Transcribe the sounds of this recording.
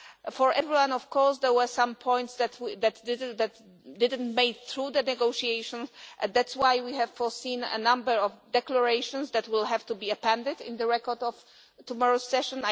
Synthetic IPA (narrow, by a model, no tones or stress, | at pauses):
fɔɹʔɛvɹiwãnɔfkɔɹsd̪ɛwɛsãmpʰɔ̃j̃nt̪sðɛt̪wiðɛt̪ɪd̪æt̪ | dɪd̪ɨ̃ntmeɪθɹud̪ənɛɡoʃiejʃɔ̃nsʔɛ̃ndætswajwihɛv̥fɔsĩnə̰nãmbəɹɔvd̪ɛkləɹejʃɔ̃nsd̪æt̪wɪlɦɛvt̪ubiəpɛ̃ndɪdɪ̰̃nd̪əɹɛkɔɹd̪ɔv | t̪umɔɹosɛʃɔ̃n